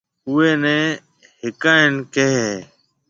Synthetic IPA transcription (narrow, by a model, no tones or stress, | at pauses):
ʊeːnɛ̃ː | ɦɪkaːɪnkeːɦeː